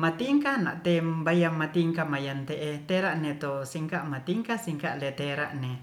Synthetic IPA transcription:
mat̪iŋkana̰ʔt̪ebajamːat̪iŋkamajant̪eʔet̪eɾaʔnet̪osiŋkaʔmat̪iŋkasiŋkaʔlet̪eɾa̰ʔne

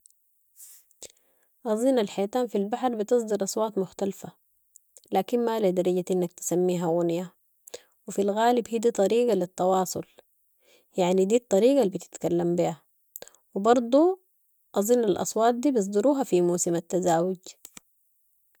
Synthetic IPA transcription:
ʔɑzˤinalħajt̪aːnfilbaħɾbit̪ɨsˤd̪ɨɾʔɑsˤwɑːt̪mʊxt̪alfa | laːkinmalad̪ɑɾˤɑɟaʔinːak̚t̪ɪ̥samːiːɦaɣunja | wifilɣaːlibhiːd̪iːt̪ˤɑɾiːɡalit̪ːɑwɑːsˤʊl | jaʕnid̪iːt̪ˤːɑɾiːɡabit̪i̥t̪kalːambia | wibɑɾˤd̪ˤu | ʔɑzˤinalʔɑ̰sˤwɑːt̪̚d̪iːbɨs̬ˤd̪ɑɾuːɦafimuːsimat̪ːazaːwʊɟ

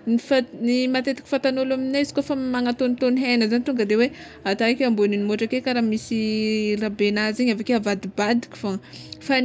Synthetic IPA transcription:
nifanimat̪et̪i̥ki̥fat̪anolaminaizi̥kofəmaŋat̪ont̪oniɦenəzanit̪uŋɡəd̪ewe | at̪aekeamboninimoʈ͡ʂakekaɾamisirabenaziɲavakeavad̪ibad̪i̥kʲi̥foŋfan

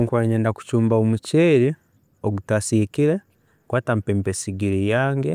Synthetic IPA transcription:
ŋkwaɲeːndaku̥cuːmbaomuceːɾi | oɡutasikiɾe | kwaːtampeːmpesiɡiɾijaːŋɡe

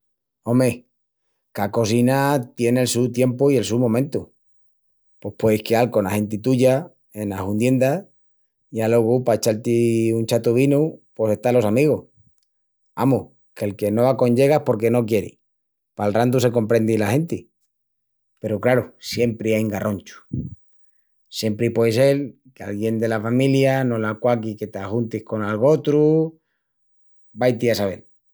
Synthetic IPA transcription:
o̞me̞ | kako̞s̬inat̪je̞ne̞lsut̪je̞mpoie̞lsumõ̞mẽnt̪u | po̞hpwe̞ðihkealko̞nahe̞nt̪it̪uʝa | e̞naɦund̪je̞nd̪a | jalo̞ɣ̞upaet͡ʃalt̪iunt͡ʃat̪uβ̞inupwo̞se̞st̪alo̞samiɣoh | a̰mu | ke̞lke̞no̞βako̞ɲʝe̞ɣahpo̞ɾk̬e̞no̞k̬je̞ɾḭ | palrand̪use̞ko̞mpɾe̞nd̪ilahe̞nt̪i | pe̞ɾokɾaɾusje̞mpɾiajŋɡaro̞nt͡ʃu̥ | sje̞mpɾipwe̞jse̞l | kealɣje̞nd̪e̞lafamiljano̞lakwak̬ike̞t̪axunt̪ihko̞nalɣo̞t̪ɾu | bajt̪iasaβ̞e̞̰l

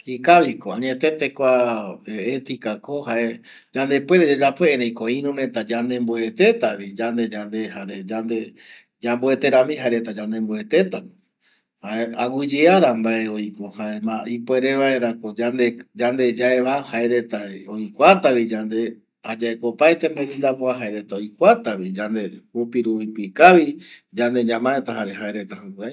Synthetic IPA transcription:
hikaʋikoãɲe̞t̪e̞t̪ekʷaeet̪ikakohaʔe | d͡ʒand̪e̞pwe̞ɾed͡ʒod͡ʒapweeɾej̃koĩɾũmẽ̞t̪ad͡ʒand̪ẽ̞mbue̞t̪e̞t̪aʋid͡ʒand̪e̞d͡ʒand̪e̞haɾed͡ʒand̪e | d͡ʒambue̞t̪e̞ɾamĩɦaeɾe̞t̪ad͡ʒãnd̪ẽ̞mbue̞t̪e̞t̪ak | aeawid͡ʒiaɾambae̞o̞jkohamaipoe̞ɾeβaeɾakod͡ʒand̪ed͡ʒand̪e̞d͡ʒaeβahaeɾe̞t̪aojkʷat̪aβid͡ʒand̪e̞ | ad͡ʒaekopajt̪ẽmbaɲind̪apoaɦaeɾe̞t̪aojkʷat̪aβid͡ʒand̪e̞hupiɾuβipikaβid͡ʒand̪e̞ɲãmaet̪aɦaɾe̞haeɾe̞t̪ahauɾaj

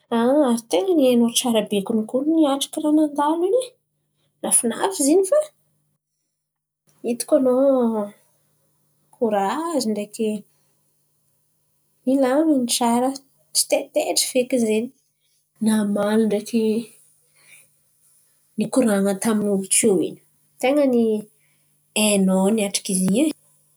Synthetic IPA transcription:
aaɾit̪eŋənianoʈ͡ʂaɾəbekunikuniaʈ͡ʂḁkʲiɾanand̪alini | nafina̰fizinifa | it̪u̥kʲano | kuɾaaziɳɖ͡ʐeke | ilaminiʈ͡ʂaɾə | t͡ʃi̥t̪et̪eʈ͡ʂi̥fekizeni | namaliɳɖ͡ʐeki | nikuɾaŋət̪aminuvikoḭni̥ | t̪eŋəni | enoniaʈ͡ʂḁkiziɲe

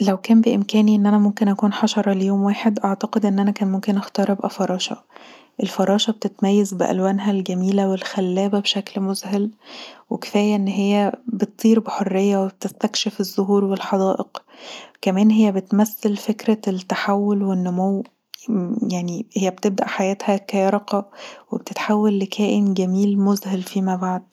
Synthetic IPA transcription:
læwkæːmbeʔemkæːniʔenːʔænæmomkenʔækuːnħɑʃɑɾˤɑlejoːmwaːħed̪ʔaʕt̪ɑqed̪ʔenːʔænækæːnmomkenʔæxt̪ɑːɾˤʔebʔæ̰fɑɾˤɑːʃɑ̰ | ʔelfɑɾˤɑːʃɑb̚t̪et̪mæjːæzbeʔæ̰lwæːnɦælɡæmiːlæwelxælːæːbæbʃæklmozɦælweke̥fæːjæʔenːɦejːæbet̪t̪ˤːiːɾbeħorːejːæweb̚t̪est̪ækʃefezːoɦuːɾwelħɑd̪ɑːʔeqkæmæːnɦejːæbet̪mæsːelfekɾælt̪ːaħawːolwenːomow | jaʕnihejːæbet̪eb̚d̪æʔħajæːt̪hækæːɾɑqɑwebt̪et̪ħawːælːekʰæːʔenɡæmiːlmozhælfiːmæbaʕd̪̥̚

